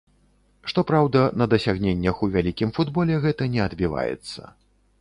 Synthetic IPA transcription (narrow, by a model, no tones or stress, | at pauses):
ʂt̪ɔpɾawd̪ɐnɐd̪ɐsʲaɣnʲenʲːɐxuvʲalʲikʲimfud̪bɔlʲɛɣɛt̪ɐnʲɛɐd̪bʲiva̰jɛ̰t̪sːɐ̰